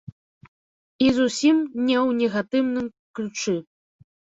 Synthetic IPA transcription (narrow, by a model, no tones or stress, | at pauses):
izusʲimnʲɛwnʲɛɣat̪ɨwnɨm | klʲut͡ʂɨ